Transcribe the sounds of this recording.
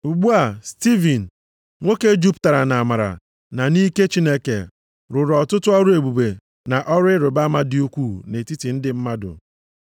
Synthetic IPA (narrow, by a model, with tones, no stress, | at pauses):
u˨ɡ͡bu˦a˨sti˦vi˨n̩˨ | ŋʷo˦ke˦d͡ʒu˦pta˨ɾa˨na˨a˨ma˨ɾa̰˨ | na˨ni˦ke˦t͡ʃi˦ne˦kḛ˨ | ɾʊ˨ɾɔ˨tʊ˦tʊ˦ɔ˦ɾʊ˦e˨ɡ͡bu˨be˨ | na˨ʔɔ˦ɾɪ˦ɾʊ˨ba˦ma˦dɪ˦u˦kʷu˦˨ne˨ti˦ti˨n̩˦dɪ˦m̩˦ma˦dʊ̰˨